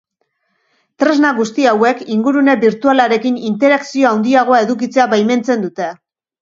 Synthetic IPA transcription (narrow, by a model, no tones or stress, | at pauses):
t̪ɾe̞znaɣust̪iawe̞kiŋɡuɾune̞biɾt̪ualaɾe̞kinint̪e̞ɾaksio̞awnd̪iaɣ̞o̞ae̞ðukit͡se̞aβajme̞nt͡se̞nd̪ut̪e̞